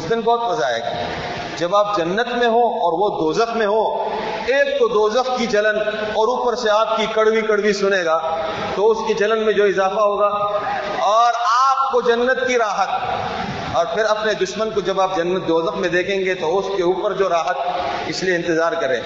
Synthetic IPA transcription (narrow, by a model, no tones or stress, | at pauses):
ʊsd̪ɪnbɔːt̪ʋɐzaɦɛ̰ːɡa̰ː | d͡ʒɐbaːp̚d͡ʒɐnːət̪mẽɦõɔːɾʋod̪oːzəxmẽɦõ | eːk̚t̪od̪oːzəxkit͡ʃɐlən | ɔːɾuːpəɾseaːp̚kikɐɽwikɐɽwisʊneːɡaː | t̪oʊskit͡ʃɐlənmẽd͡ʒoːɪzaːfaɦoːɡaː | ɔːɾaːp̚kod͡ʒɐnːət̪̚kiɾaːɦət̪̚ | ɔːɾpʰɪɾɐpned̪ʊʃmənkod͡ʒɐbaːp̚d͡ʒɐnːət̪̚d̪oːzəxmẽd̪eːkʰẽːŋɡet̪oʊskeuːpəɾd͡ʒoːɾaːɦət̪̚ɪslieɪ̃nt̪ɪzaːɾkɐɾḛ̃ː